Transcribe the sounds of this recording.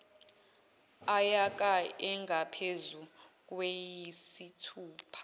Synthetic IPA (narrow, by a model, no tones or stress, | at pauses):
ajak̬ʼaɛŋɡʱapʰezuk̬ʼwejisitʰuːpʰḁ